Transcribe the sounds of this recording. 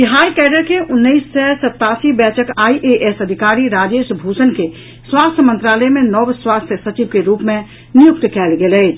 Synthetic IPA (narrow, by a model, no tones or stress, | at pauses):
t̪iɦaːjkɛːɖəɾkeʔʊnːəisːɛsɐt̪ːaːsibɛːtʰəkaːiʔeʔesəd̪ʱɪkaːɾiɾaːd͡ʒeːʃbʱuːsənke | swaːst̪ʰjəmə̃nt̪ɾaːləemẽnɔʋswaːst̪ʰjəsət͡ʃiʋkeɾuːpmẽ | nɪjʊkt̪kɛːlɡelɛː